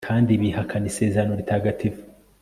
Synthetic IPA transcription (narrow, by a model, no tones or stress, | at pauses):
kʰaːndiβihakʰanise̞ːzaɾanoɾitʰaːɡatʰiv